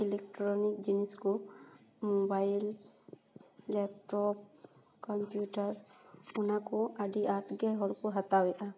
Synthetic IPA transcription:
ilɛk̚ʈɾɔnikd͡ʒinɛskumɔbajl | ɛp̚ʈɔp̚ | kɔmpjuʈaɾunakuaɖiʔaʈɡɛɦɔlkuɦat̪awɛʔa

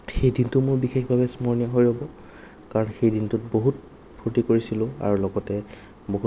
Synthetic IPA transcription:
xejdintʊmoɹbixexbʱabɛsmɔɹnijɔɦojɹɔbɔ | kaɹɔnxejdintʊt̚boɦut̚ | pʰutikoɹisilʊ̃a̰ɹulɔɡɔtɛ | boɦu

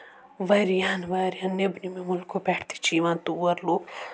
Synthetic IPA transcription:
ʋɐɾjanʋaːɾjãnːebnimemʊlkʰopɛʈʰt̪ʰi̥t͡ʃiːʋãnt̪uwɐɾloː

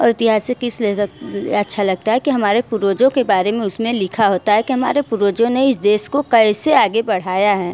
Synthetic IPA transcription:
ɔ̰ːɾɪt̪ɪɦaːsːekɪseɐtːʃʰalɐɡ̚t̪aɦɛkiɦɐmaːɾepʊɾoːd͡ʒõkebaːɾemẽʊsmẽlɪkʰaɦoːt̪aɦɛkiɦɐmaːɾepʊɾoːd͡ʒõneɪsd̪eːskokɐɪseaːɡebɐɽ̤aːjaɦɛː

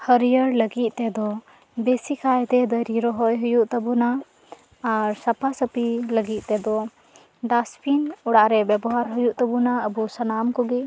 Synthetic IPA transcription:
həɾijəɾləɡit̪̚ˀt̪ɛd̪ɔ | besikʰajt̪ɛd̪əɾiɾɔɦɔjɦujuʔt̪əbunaː | ɾsapʰasəpiləɡit̪̚ˀt̪ɛd̪ɔ | ɖaspinɔɽaʔɾɛbjɛbɔɦaɾɦujuʔt̪əbunaəbusənamkɔɡɛ

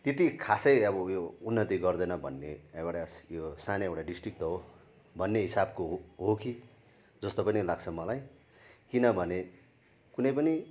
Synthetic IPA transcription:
t̪et̪ikʰasʌjʌbʌjounːʌt̪iɡʌrd̪ʌjnʌbʱʌ̰nːeewɽajosaneewʈaɖisʈrik̚ʈɦo | bʱʌnːeɦisabkoɦɦoki | d͡zʌst̪opʌnilaɡt͡sʰʌmʌlaj | kinʌbʱʌne | kunʌjpʌni

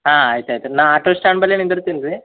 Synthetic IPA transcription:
ɦãːaːjt̪ajt̪enaaːʈosʈaːɳbɐlːenĩnd̪ɐɾut̪inɾi

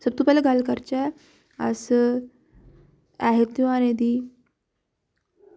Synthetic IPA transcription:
səb̚t̪uːpɛlaɡalkəɾt͡ɕa | ə̰s | aɦet̪juaned̪i

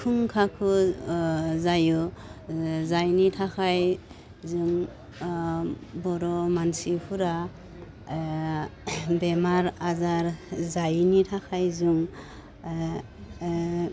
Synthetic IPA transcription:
kʰuŋkʰakʰu | zaju | zajnitʰakʰaj | zuŋ | bɔɾɔmansipʰuɾa | bemaɾazaɾzajnitʰakʰajzuŋ

